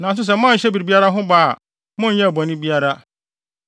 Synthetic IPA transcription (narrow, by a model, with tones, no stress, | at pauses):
nã˨s̬ʊ˦s̬ɛ˨m˦ã˦˨ɕɛ˦bi˨ɾbi˦a˦ɾa˦ɦʊ̃˦baː˦˨ | mʊ̃˦n˦jɛ˦˨bɔ̃˨nɪ̃˦bi˦a˦ɾa˦